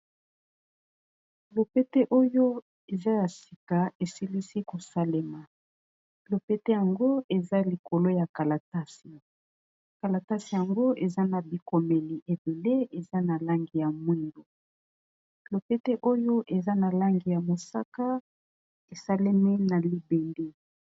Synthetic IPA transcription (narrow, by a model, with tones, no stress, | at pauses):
lo˨pe˦te˦ʔo˦jo˦ | e˨za˦ja˨si̥˨ka˨e˨si˦li˦si˦ko˨sa˦le˦ma˨ | lo˨pe˦te˦ja˨ŋɡo˦e˨za˦li˨ko˨lo˦ja˨ka˨la˨ta˦si˨ | ka˨la˨ta˦si˨ja˨ŋɡo˦ʔe˨za˦na˨bi˨ko˨me˨li˨ʔe˨be˨le˦e˨za˦na˨la˦ŋɡi˨ja˨mwi˦ndo˨ | lo˨pe˦te˦ʔo˦jo˦ʔe˨za˦na˨la˦ŋɡi˨ja˨mo˨sa˦ka˦ | e˨sa˦le˦mi˦na˨li˨be˨nde˦